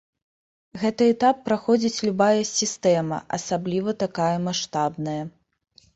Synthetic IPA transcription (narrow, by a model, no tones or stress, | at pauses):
ɣɛt̪ɨɛt̪apːɾaxɔd͡zʲit͡sʲlʲubajɐsʲist̪ɛmɐ̰ʔɐsablʲivɐt̪akajɐmaʂt̪abnɐjɐ